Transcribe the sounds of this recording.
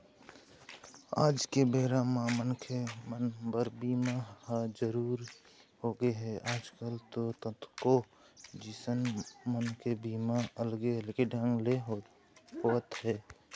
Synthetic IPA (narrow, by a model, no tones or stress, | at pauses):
a̰ːd͡ʒkebeːɾamãmənkʰemənbəɾbiːmahd͡ʒəɾuːɾ | hoːɡeɦɛʔaːd͡ʒkəlt̪ot̪ət̪ʰko | d͡ʒɪsənmənkebiːmaəlɡeəlɡeɖʱə̃ŋɡleɦ | ɦot̪ɦɛː